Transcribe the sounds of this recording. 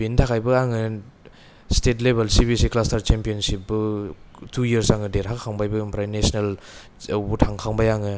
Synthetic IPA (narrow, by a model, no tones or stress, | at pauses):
bintʰakʰajbɯaŋɯ | stetlebelsibisiklastaɾt͡ʃempijonsip̚bɯ | tʰujɾsaŋɯdeɾɦakkʰaŋbajbɯimpɾajnesnel | awbutʰaŋkʰaŋbajaŋɯ